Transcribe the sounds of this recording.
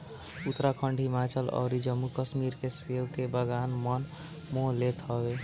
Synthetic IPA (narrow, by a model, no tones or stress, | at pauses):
ut̪ɾakʰəɳɖʱimat͡ʃəlɔ̰ʊɾid͡ʒəmːukəsmiɾkesewkebəɡanmən | molet̪ɦʌbe